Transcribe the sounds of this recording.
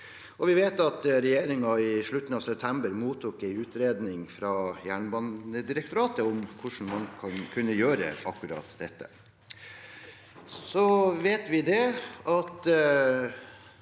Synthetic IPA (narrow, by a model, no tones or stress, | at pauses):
ɔʋɪʋeːt̪ɑt̪ɾɛjeːɾɪŋɑɪʂɭʉt̪ːn̩ɑːʋsɛp̚t̪ʰɛmbəɾmuːt̪ʰuːkæɪʉːt̪ɾeːd̪nɪŋfɾɑjæːɳbɑnəd̪ɪɾək̚t̪ʊɾɑːt̪əɔmkʰʊʂɳ̩mɑnkʰɑnkʰʉnːəjøːɾə̰ɑ̰kːʉɾɑ̰ːt̪d̪ɛt̪ːə̰ | sɔʋeːt̪ʋɪd̪ɛɑt̪